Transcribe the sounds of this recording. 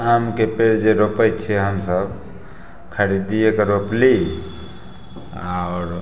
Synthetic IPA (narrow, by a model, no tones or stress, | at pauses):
amkepeɽd͡ʒeɾopət͡ʃʰɛɦəmsəb | kʰəɾid̪iekeɾopli | aɾ